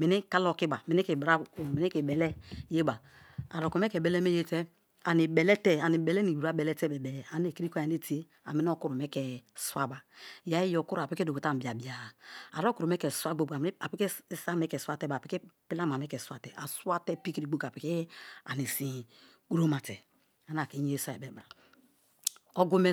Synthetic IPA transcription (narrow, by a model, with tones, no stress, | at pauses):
mi˨ni˦ka˦lo˦˨ki˦ba˨mi˨ni˦e˨bɾa˦˨mi˨ni˦ke˨bɛ˨lɛ˦je˦ba˨ | a̰˨ɾo˨ko˨mɛ˦kɛ˨bɛ˨˦lɛ˦me˦je˦tɛ˦ | a˨ni˨bɛ˨lɛ˦tɛ˦a˨ni˨bɛ˨lɛ˦ni˨wu˨ɾa˦bɛ˨lɛ˦tɛ˦bɛ˨bɛ˨a˨ne˨ki˦ɾi˦ko˦˨a˨n˦e˦ti˨˦e˦ | a̰˨mi˦n˦o˦ku˦ɾo˨mɛ˦kɛ˨su˦a˦ba˨ja˦i˦jo˨ku˦ɾa˨pi˦ke˦do˨ko˨ta˦˨m˨bi˨a˨bi˨a˨a̰˨ɾo˦ku˨ɾo˨mɛ˦kɛ˨sa˦ɡ͡bo˨ba˨˦a˨pi˦ke˦sa˦me˦kɛ˨swa˦˨tɛ˦ba˨pi˨˦ke˦pi˦la˦ma˨me˦kɛ˨swa˨tɛ˨ʔa̰˨sa˦tɛ˦pi˦ki˦ɾi˨ɡ͡bo˦ka˨pi˨˦ke˦a̰˨ni˨sĩ˨ | ku˦ɾo˦ma˨tɛ˨ | a˨na˨ke˨˦ɲe˦e˦sa˦˨ɛ˨be˨ba˨ | o˦ɡo˦me˦˨